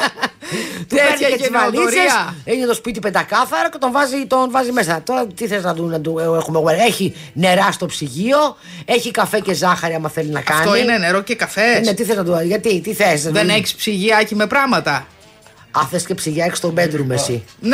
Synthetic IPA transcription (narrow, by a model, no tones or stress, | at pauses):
t̪eɾeezvɐlit͡sɾeɐeinet̪ospit̪ipend̪ɐkɐθɐɾoce̞t̪oɱvɐzit̪onvɐzime̞sɐt̪o̞ɾɐt̪iθelznɐd̪unɐd̪ueexumeɣoeɾeçi | ne̞ɾɐst̪o̞psiʝio̞ | e̞çikɐfece̞zɐxɐɾiɐmɐθeliznɐ̰kɐɐnoiineneɾocekɐfennet̪iθelznɐt̪uʝɐt̪it̪iθesnɐðeneçi̥spsiʝiɐeçime̞pɾɐɣmɐt̪ɐ | ɐθesce̞psiʝiɐeki̥st̪obe̞nd̪ɾumesin